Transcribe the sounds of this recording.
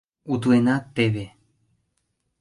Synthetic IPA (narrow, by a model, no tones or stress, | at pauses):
ut̪uenat̪eβe